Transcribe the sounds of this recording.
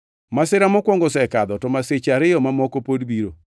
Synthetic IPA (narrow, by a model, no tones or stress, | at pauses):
masɪɾamɔkwɔŋɡɔsɛkad̪ɔtɔmaset͡ʃaɾɪjɔmamɔkopodbiɾo